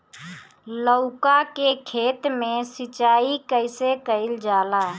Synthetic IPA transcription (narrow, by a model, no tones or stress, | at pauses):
ləʊkakekʰet̪mẽsit͡ʃaːikəɪsekəɪld͡ʒaːla